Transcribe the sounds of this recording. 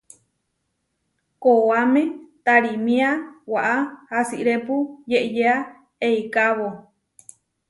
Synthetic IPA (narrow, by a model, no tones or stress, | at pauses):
koamẽt̪aɾimĩawaʔahasiʔɾepujeʔjea | eikaβo